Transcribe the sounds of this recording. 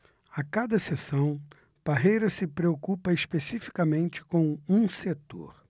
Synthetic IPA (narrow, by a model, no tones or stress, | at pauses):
akad̪ɐsesɐ̃w̃ | paɦejɾɐsɪpɾeokupɐespesifi̥kamẽnt͡ʃɪ̥kõũset̪o̰ɾ